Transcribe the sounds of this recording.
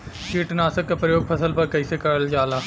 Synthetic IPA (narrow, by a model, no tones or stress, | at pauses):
t͡ʃiːʈnaːsəkːapɾəjoːɡ̚pʰɐsəlpɐɾkɐisekɐɾəld͡ʒaːlaː